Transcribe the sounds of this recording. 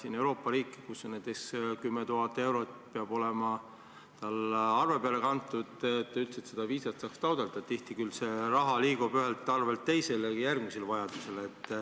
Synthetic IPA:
siːne̞wɾo̞ːpːˑɑɾiːkːˑkusːonnet̪eskymːet̪uɦɑt̪ːˑe̞wɾo̞t̪ˑpeɑb̥o̞lemɑ | t̪ɑlɑrve̞peɑle̞kɑnt̪ːˑud̪et̪ːeylt̪set̪se̞d̪̥ɑviːsɑt̪sɑːkst̪ɑwd̪̥eld̪̥ɑt̪iht̪ikylse̞rɑɦɑliːɡ̥ubyɦelt̪ːˑɑrvelt̪ːe̞jse̞ljærɡmise̞lvɑjɑd̪̥use̞let̪ːˑ

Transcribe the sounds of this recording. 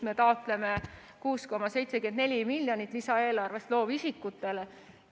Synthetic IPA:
me̞t̪ɑot̪ˑle̞me | kuːsko̞mɑse̞jt̪sekyend̪ne̞lʲimilʲːjonit̪ːˑlisɑe̞ːlɑrve̞st̪lo̞ːvisikːut̪ˑːe̞le

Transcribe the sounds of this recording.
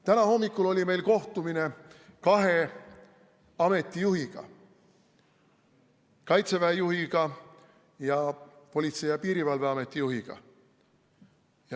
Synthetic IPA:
t̪ænɑho̞mːikːˑulo̞lʲime̞jlko̞ht̪umine̞kɑɦe̞ | ɑme̞t̪ːˑijuhiɡ̥ɑ̰ | kɑjt̪se̞væːjuɦiɡ̥ɑ | jɑpo̞lʲit̪se̞jɑpiːɾivɑlveɑme̞t̪ːˑijuɦiɡ̥ɑ̰ | j

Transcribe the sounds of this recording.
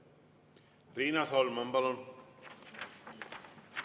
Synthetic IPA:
ɾiːnasɔːlmɐmbalon

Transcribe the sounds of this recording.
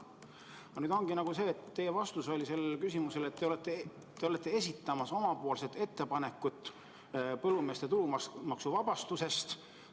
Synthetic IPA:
ɑnyːd̪o̞ŋɡ̥inɑɡ̥use̞ːt̪ːe̞jevɑst̪uso̞lʲise̞lːkysimuse̞le̞t̪ːeolet̪ːˑeː | eole̞t̪ːˑe̞e̞s̬ʲit̪ˑːɑmɑso̞mɑpoolset̪e̞t̪ːe̞pɑne̞kːˑut̪ːˑ | pɤlːume̞ːst̪e̞t̪ulumɑksuvɑb̥ɑst̪use̞st̪

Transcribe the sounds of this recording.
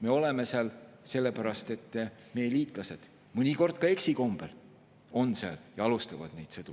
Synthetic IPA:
me̞o̞leme̞seɑlse̞lːepæɾɑst̪e̞t̪ːme̞jːeliːt̪ˑlɑse̞d̪̥ | mɤnʲiko̞rd̪̥̚kɑe̞ksiko̞mb̥e̞l | o̞nseɑ̰ljɑɑlust̪ɑvɑ̰d̪̥ne̞jd̪̥sed̪u

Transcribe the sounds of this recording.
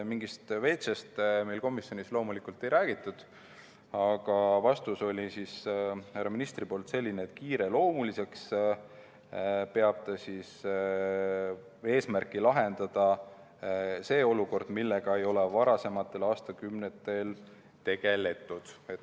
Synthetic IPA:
miŋɡist̪ve̞jt̪sɑst̪me̞jlko̞misjonislo̞ːmulikult̪ːˑe̞jɾæːɡ̥it̪ːˑud̪̥ | ɑɡ̥ɑvɑst̪uso̞lʲisisærɑminist̪ripo̞lt̪se̞lːineːt̪ːkiːɾe̞lo̞ːmulise̞ks | pe̞ɑb̥̚t̪ɑsis | e̞ːsmærkˑilɑɦe̞nd̪̥ɑd̪̥ɑ | se̞ːo̞luko̞rd̪̥milːe̞ɡ̥ɑe̞jo̞lɛvɑɾɑse̞mɑt̪ːˑe̞lɑːst̪ɑkymnet̪ːˑe̞l | t̪e̞ɡ̥e̞le̞t̪ːˑud̪̥et̪

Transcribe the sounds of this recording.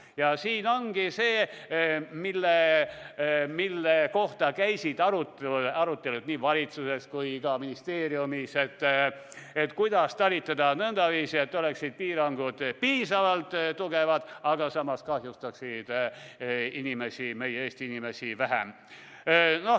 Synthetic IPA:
jɑsiːno̞ŋɡ̥ise̞ː | milːe | milːeko̞ht̪ɑkæjsid̪ɑɾut̪ɑɾut̪ːˑe̞lud̪̥niːvɑlʲit̪suse̞skujkɑminist̪eːɾiumise̞t̪ː | et̪kujd̪̥ɑst̪ɑlʲit̪ːˑɑd̪ɑnɤnd̪̥ɑviːsie̞t̪ːo̞leksid̪̥̚piːɾɑŋɡud̪̥piːsɑvɑlt̪t̪ːuɡevɑd̪̥ɑɡ̥ɑsɑmːɑskɑhjust̪ɑksid̪̥ | inimesime̞jeeːst̪iinimesivæɦæ̰m | no

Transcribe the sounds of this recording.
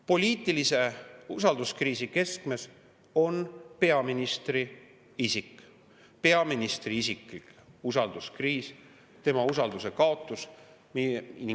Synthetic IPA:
po̞lʲiːt̪ːˑilise̞usɑld̪̥uskriːsike̞skme̞s | o̞npe̞ɑminist̪ri | isikːˑ | pe̞ɑminist̪riisiklikusɑld̪̥uskriːs | t̪e̞mɑusɑld̪use̞kɑo̞t̪ːˑus | mini

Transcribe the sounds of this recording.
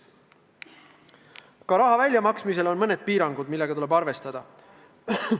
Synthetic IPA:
kɑɾɑɦɑvælʲjɑmɑksmise̞lo̞nmɤne̞d̪̥̚piːɾɑŋɡ̥ud̪̥milːe̞ɡ̥ɑt̪ule̞bɑrve̞st̪ɑd̪̥ɑ

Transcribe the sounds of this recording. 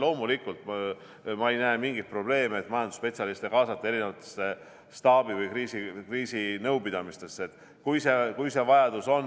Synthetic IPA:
lo̞ːmulikːˑult̪ | mɑejnæemiŋɡ̥it̪̚pro̞b̥le̞ːmeet̪ːmɑjɑnd̪u̥spe̞t̪sʲɑlist̪e̞kɑːsɑt̪ːˑɑe̞ɾinevɑt̪ːˑe̥sːe | st̪ɑːb̥ivɤjkriːsikriːsinɤwpid̪̥ɑmist̪e̞sːeet̪ːˑ | kujsekujse̞vɑjɑd̪uso̞n

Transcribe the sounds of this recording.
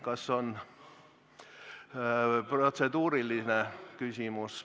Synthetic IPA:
kɑsːon | prot̪sed̪uːɾilːinekysʲimus

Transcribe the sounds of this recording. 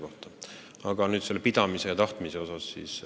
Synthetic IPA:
ko̞ht̪ɑ | ɑɡ̥ɑnyːd̪selːepid̪̥ɑmise̞jɑt̪ɑht̪mise̞o̞sɑsːḭːs

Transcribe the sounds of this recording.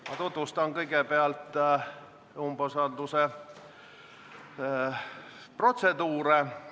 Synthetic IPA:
mɑt̪ut̪vust̪ɑnkɤjɡe̞peɑlt̪ː | umbosɑnd̪use̞ | pro̞t̪se̞d̪uːɾe

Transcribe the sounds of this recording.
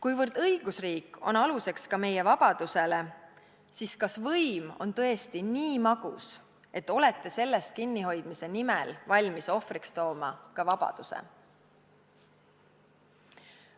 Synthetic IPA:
kujvɤrd̪̥ɤjɡ̥usriːkːo̞̰nɑluse̞kskɑme̞je̞vɑb̥ɑd̪̥use̞le̞ | siskɑsvɤjmo̞̰nt̪ɤ̞est̪iniːmɑɡ̥ṵs | e̞t̪ːˑo̞le̞t̪ːˑe̞se̞lːe̞st̪̚kinːiɦo̞jd̪̥mise̞nimelvɑlʲmiso̞frikst̪o̞ːmɑkɑvɑb̥ɑ̰d̪̥usḛ

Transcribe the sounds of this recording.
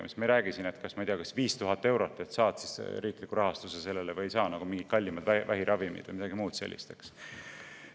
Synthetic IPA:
mḭst̪mɑiɾæːɡ̥isine̞t̪kɑsmɑijd̪eɑkɑsviːst̪uɦɑt̪ːˑe̞wɾo̞t̪ːˑe̞t̪sɑːt̪sisɾiːklikːuɾɑɦɑst̪usese̞lːelevɤ̞jsɑːnɑɡ̥umiŋɡit̪̚kɑlʲːimɑd̪vævæɦiɾʔɑvimḭd̪̥vɤ̰jmid̪ɑɡimuːd̪̥sḛlʲːḭst̪eks

